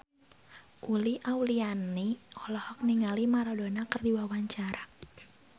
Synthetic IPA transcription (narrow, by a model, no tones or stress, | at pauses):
ʔuliʔawlianiɔlɔhɔk̚niŋalimaɾɔdonakərdiwawaɲt͡ʃaɾa